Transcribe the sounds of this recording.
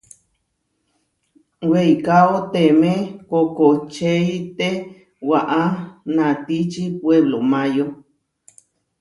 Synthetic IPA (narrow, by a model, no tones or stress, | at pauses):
wejkaot̪emẽkokot͡ʃeit̪e | waʔanãt̪it͡ʃipweβlomãjo